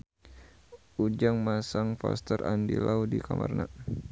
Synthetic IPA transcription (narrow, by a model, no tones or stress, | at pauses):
ud͡ʒaŋmasaŋfa̰st̪ərʔandilaudikamʔarna